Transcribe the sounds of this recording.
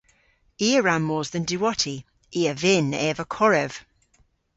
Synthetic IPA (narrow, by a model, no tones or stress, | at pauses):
iːəɹamːɔːzðəndiwɔtʰi | iːəvɪnɛːvəkʰɔɹɛv̥